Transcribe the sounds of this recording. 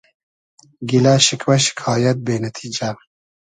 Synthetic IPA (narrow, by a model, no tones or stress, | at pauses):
ɡilaːʃɪkʰwɛʃi̥kʰɑːjɐt̪̚beːnɐt̪ʰiːd͡ʒa